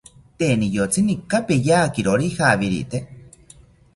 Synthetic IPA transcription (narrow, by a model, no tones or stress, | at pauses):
t̪enijot͡sinikːapejaːkiɾoɾihaβiɾḭt̪e